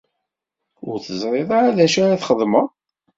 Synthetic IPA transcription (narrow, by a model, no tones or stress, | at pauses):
ʊɾθəzˤɾˤeðˤɑɾæðæʃaɾaθχəðˤmə